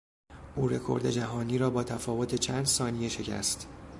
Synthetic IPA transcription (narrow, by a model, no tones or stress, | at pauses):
ʔuːɾe̞kʰo̞̰ɾd̪e̞d͡ʒæɦɒːniːɾɒːbɒːt̪ʰæfɒːvo̞t̪ʰe̞t͡ʃʰæːnd̪sɒːnije̞ʃe̞cʰæ̰st̪